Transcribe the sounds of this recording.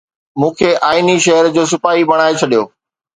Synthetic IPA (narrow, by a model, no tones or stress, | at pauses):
mũːkʰeʔaːɪniʃɐɦəɾd͡ʑoːs̬ɪpaːɦibɐɽ̃aːet͡ɕʰɐɗijoː